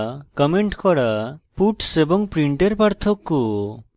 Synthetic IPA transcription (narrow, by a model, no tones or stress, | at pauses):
kɔmeɳʈkɔɽapuʈsebɔŋpɾiɳʈeɾpaɾt̪ʰɔkːu